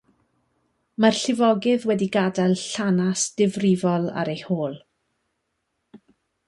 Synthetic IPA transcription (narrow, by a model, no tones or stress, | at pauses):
marɬɪvɔɡɨðwɛdiɡadalˠɬanasd̥ɪvrɪvɔlˠa̰ɾejhoːlˠ